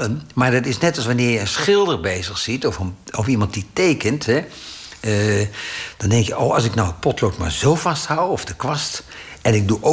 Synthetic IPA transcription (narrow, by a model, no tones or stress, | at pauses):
ənmaːɹdɑtɪsnɛtɑlˠsʋanɪːɹjəənsχɪlˠdəɹbejzəxsitɔfəɔfimɑnt̚ditejkəntɦɛ | d̥ɑndɛŋkjəʔowɑlˠsɪknawətpɔtlotma̰ɹzowfɑsthawɔfdəkʋɑstɛnɪɡ̚duʔo